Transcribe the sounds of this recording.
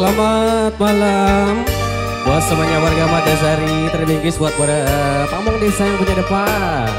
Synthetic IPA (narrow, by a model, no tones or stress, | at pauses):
lamat̪̚malam | buat̪̚səbaɲawarɡamat̪̚das̬əɦaɾit̪ərbiŋɡɪsbuat̪̚padaəpamaŋdesaaŋpuɲadəpa | n